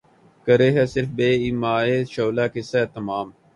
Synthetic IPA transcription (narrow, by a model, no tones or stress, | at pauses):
kəɾeːɦɛːsɪɾfbeːimaːeːʃoːlaːkɪsɛːt̪əmaːm